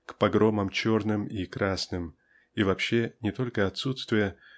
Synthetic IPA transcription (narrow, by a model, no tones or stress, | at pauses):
kpɐɡɾo̞məmt͡ɕornɨmikɾasnɨm | ivɐpɕːenʲɪt̪o̞lʲkəɐt̪sut̪st̪vʲɪjə